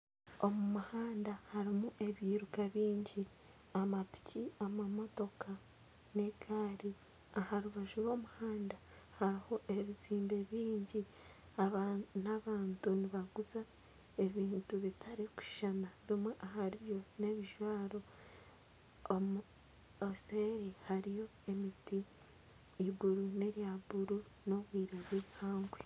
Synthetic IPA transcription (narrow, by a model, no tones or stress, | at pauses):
o̞mumuhaːndahaɾimuʔe̞βiːɾukaβiːɲɟi | amapi̥ciamamo̞to̞kʰa | ne̞ɡaːɾi | ahaɾuβaʒuɾwo̞ːmuhaːnda | haɾiho̞ʔe̞βiziːmbe̞βiːɲɟi | aβanaβaːntuniβaɡuza | e̞βiːntuβitʰaɾiku̥ʃʃanaβimwe̞ʔaɦaɾijo̞ne̞βiʒwaːɾo̞ | mu | oseɾihaɾijo̞e̞mitiː | buɾune̞ɾjabuɾu | no̞βwiːɾoβihaːŋɡwe